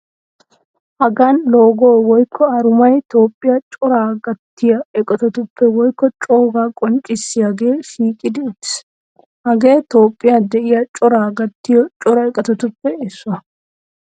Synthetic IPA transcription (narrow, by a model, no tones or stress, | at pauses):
ʔɐɡanloːɡoːwɔjkʰːɔɐɾʊmɐjt̪o̞ːpʼːɪjɐt͡ʃʼɔɾaːɡɐt̪ːɪjɐɛkʼɐt̪ɔt̪ʊpːɛwɔjkːɔt͡ʃʼoːɡaːkʼɔnt͡ʃʼːɪsːɪjaɡe̞ːʃiːkʼɪd̪ɪtːɪ̥s | hɐɡe̞ːt̪o̞ːpʼːɪjɐd̪ɛʔɪjɐt͡ʃʼɔɾaːɡɐt̪ːɪjɔt͡ʃʼɔɾɐɛkʼɐt̪ɔt̪ʊpːɛɪsːʊɐ